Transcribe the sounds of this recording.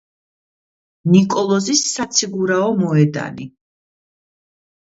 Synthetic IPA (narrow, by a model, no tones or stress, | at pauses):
nikʼɔlˠɔzisːat̪sʰiɡuɾaɔmɔɛd̪a̰ni